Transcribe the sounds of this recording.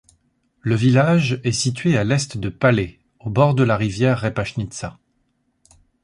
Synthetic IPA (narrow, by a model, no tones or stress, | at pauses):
ləvilaʒɛsit̪ɥealɛst̪d̪əpalɛ | obɔʁd̪əlaʁivjɛʁːɛpaʃnit̪sa